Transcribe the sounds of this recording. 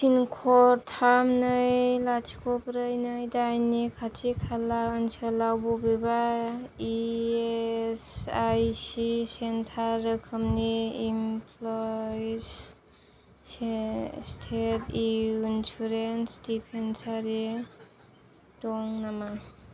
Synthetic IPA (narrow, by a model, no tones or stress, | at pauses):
sinkʰɔɾtʰamnɯjlat͡ʃʰikʰɔpɾɯjnɯjdajnikʰatʰikʰalaɯnsalawbɔbebaiesajsisentʰaɾɯkʰɯmniimpʰlɔs | stʰetiinsuɾensdipʰensaɾi | dɔŋnama